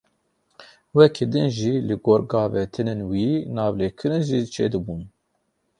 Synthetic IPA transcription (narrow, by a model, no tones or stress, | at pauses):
wɛkʰid̪ɨnʒiːlɨɡoːɾɡɑːvet̪ʰɨnenwiːnɑːvleːkʰɨɾɨnʒit͡ʃʰḛːd̪ɨbuːn